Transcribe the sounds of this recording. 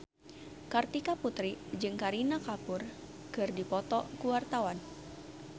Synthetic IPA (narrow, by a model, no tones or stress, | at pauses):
kart̪ikaput̪ɾid͡ʒɨŋkaɾinakapur | kɨrdipɔt̪ɔkuwart̪awan